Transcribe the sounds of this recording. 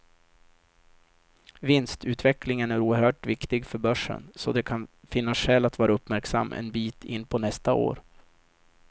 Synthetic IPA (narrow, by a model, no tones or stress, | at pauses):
vɪnst̪ʉ̟ːt̪vɛklɪŋənæɾuːəɾhœːʈvɪkt̪ɪɡfœɾbœʂːə̰nsɔd̪ɛkʰanfɪnːasʂɛːlːat̪vɑːɾaɵpmæɾksa̰mːʔɛ̰nbiːt̪ʰɪnːpʰɔnɛst̪ao̰ːɾ